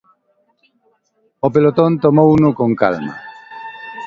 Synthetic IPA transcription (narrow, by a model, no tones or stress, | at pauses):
opelot̪õnt̪omownʊkõŋka̰lma̰